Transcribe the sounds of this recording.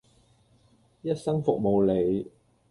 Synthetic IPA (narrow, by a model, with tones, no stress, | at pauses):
jɐ˥t̚sɐ˥ŋfʊ˨k̚mo˨wle˨˧j